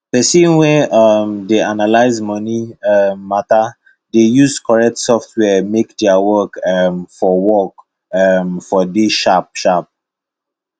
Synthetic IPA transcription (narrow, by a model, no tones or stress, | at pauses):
pɛsĩnwɛamdeanalaɪzmɔniɛmːata | dejuzkʰɔɹɛk̚tsɔftwɛmekdɛawɔkmfɔwɔk | mfɔdiʃap̚ʃap̚